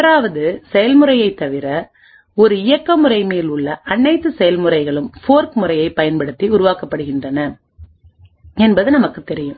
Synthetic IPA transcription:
ɾaːʋɐðɯsɛjɐlmɯrɐjɐɪt̪ːɐʋɪɾɐ | ɔɾɯɪjɐkːɐmɯrɐɪmeːlʊɭːɐʔɐnːɐɪt̪ːɯsɛjɐlmɯrɐɪɣɐɭɯmfoːɾkmɯrɐjɐɪpːɐjɐnpɐɽɯt̪ːiʊɾʊʋaːkɐpːɐɽɯɣɪndrɐnɐ | ɛnbɐðɯnɐmɐkːɯt̪ɛɾɪjɯ̃m

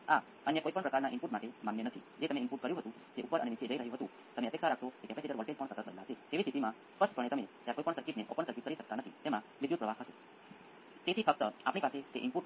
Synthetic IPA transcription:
a | ənjakoipəɳpɾəkaɾnaʔɪmpuɾʈmaʈemanːjenət̪ʰid͡ʒet̪əmẽɪmpuʈ̚kəɾjũɦət̪ũ | d͡ʒeʔupːəɾəneʋit͡ʃʰed͡ʒəiɾəɦjũɦət̪ũ | t̪əmeəpeksʰaɾakʃokekɛpeseɖəɾʋəɭʈel̚pəɳsət̪ət̪bə̰laɦʃet̪eʋisʈʰit̪imã | spəspəɳ̃et̪əmet̪jakoipəɳsəɾkit̪neʔɔ̰pəɳsəɾkit̪kəɾiʃək̚t̪anət̪ʰit̪emã | ʋɪd̪jut̪̚pɾəʋasɦəʃe | t̪et̪ʰifək̚t̪əapɳ̃ipaset̪eʔɪmpuʈ

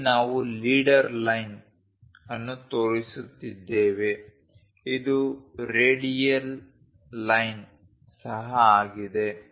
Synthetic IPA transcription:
naːʋuliːɖɐɾlɐjn | ɐnːut̪oːɭisut̪ːid̪ːeːʋe̞ | id̪uɾeːɽijɐl | lɐjn | sɐɦɐaːɡid̪e̞

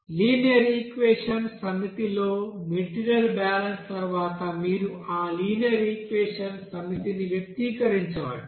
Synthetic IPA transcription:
liːnjɐɾikʋeːʂɐnsɐŋɡɐt̪ilo̞ːmiʈiɾijɐlbaːlɐnst̪ɐɾuʋaːt̪ɐmiːɾuaːliːnjɐɾikʋeːʂɐnsɐŋɡit̪iniʋjɐk̚t̪iːkɐɾiɲt͡ʃɐa̰ːɽu

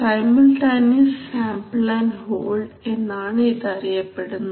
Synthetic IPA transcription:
ɐjmilʈɐːnisɕaːmplaːnhoːɭɖ | e̞nːaːɳit̪ɐrijɐpːe̞ɽunːu

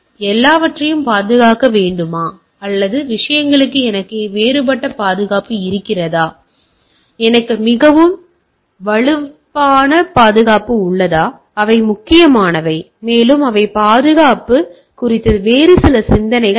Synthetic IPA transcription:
ɛlːaːʋɐʈrɐjɯmpaːðɯɣaːkɐʋeːɳɖɯmaː | ɐlːɐðɯʋɪʂɐjɐŋɡɐɭɯkːɯɛnɐkːeʋeːɾɯp̬ɐʈːɐpaːðɯɣaːpɯɪɾɯkːɪrɐðaː | ɛnɐkːɯmɪɣɐʋɯm | ʋɐɭɯpːaːnɐpaːðɯɣaːpɯʊɭːɐðaː | ɐʋɐɪmʊkːɪjɐmaːnɐʋɐɪ | meːlɯmɐʋɐɪpaːðɯɣaːpɯ | kʊrɪt̪ːɐɯʋeːɾɯsɪlɐsɪnd̪ɐnɐɪɣɐ

